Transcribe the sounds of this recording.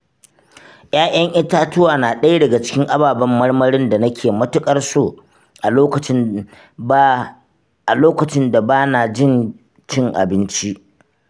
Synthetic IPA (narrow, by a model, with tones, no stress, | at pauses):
j̰ʔaː˦ʔɐ˦ŋʔɪ˦taː˦tʊ˦waː˨naː˨ɗɐ˦jdɐ˨ɡa˨t͡ʃɪ̥˦kʲɪ˦ŋʔa˦baː˨bɐ˦mːɐ˦rmɐ˦ɽɪ˦nda˨nɐ˦kʲʰeː˨mɐ˦tʊ˦kʼɐ˦rsoː˦˨ | ʔa˨oː˦kɐ˨˦ | a˨loː˦kɐ˨t͡ʃɪ˦nda˨baː˦na˨d͡ʒɪ˦˨n | t͡ʃɪ˦ŋʔa̰˨bɪ˦nt͡ʃi˦ʔ